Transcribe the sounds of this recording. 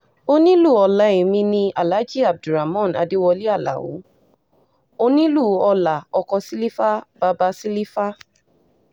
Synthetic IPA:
o˧nĩ˦lu˦˨ɔ˧la˨˦e˨mĩ˧nĩ˧a˨la˨˦d͡ʒi˦˨a˨b̚du˨ɾa˨mɔ̃˦˨na̰˧de˦wɔ˧li˦a˦˨la̰˨wo̰˨˦ | o˧nĩ˦lu˦˨ɔ˧la˨ɔ˧kɔ˧si˦li˦fa˦b̥a˧ba˧si˦li˦fa˦

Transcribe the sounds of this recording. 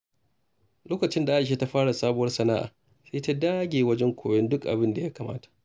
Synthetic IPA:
loː˦kɐ˨t͡ʃɪ˦nda˨ʔa˦˨ʃ̬eː˦ta˦ɸaː˦ɽa˨saː˦bʊ˦wɐ˦rsɐ˨naː˦ʔa̰ː˨ | seː˦ta˦daː˦ɡʲeː˨wɐ˦d͡ʒɛ˦ŋkʷʰoː˨jɔ˦ndʊ˦kʔa̰˨bɪ˦nda˨ja˦kaː˨mʔa̰ː˦tḁ˨

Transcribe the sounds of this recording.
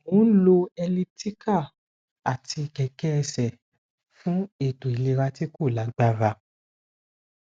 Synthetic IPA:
mõ˨˦n̩˦lo˧ɛ˧li˦ti˦ka˦˨ | a˨tʰi˧kɛ˨kɛ˦ɛ˧sɛ˨ | fũ˦e˦˨to˨i˨le˧ɾa˧ti˦ko˦˨la˨˦ɡ͡ba˦ɾa˧

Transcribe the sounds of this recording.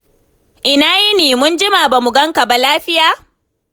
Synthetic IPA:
ʔɪ˨naː˦ji˦niː˨mʊ˦nd͡ʒɪ˦maː˨ba˨mʊ˨ɡɐ˦ŋka˨ba˨laː˦ɸɪ˦jaː˨

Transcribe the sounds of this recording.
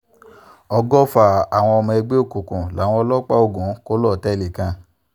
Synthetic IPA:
ɔ˧ɡɔ˦fa˦˨a˨w̃ɔ̃˧ɔ˧mã˧e˧ɡ͡be˦o˦˨kũ˨kũ˨la̰˨˦w̃ɔ̃˧ɔ˧lɔ˦k͡pa˦o˦˨ɡũ˨˦ko˦lɔ˦˨tɛ˦˨le˨kã˧

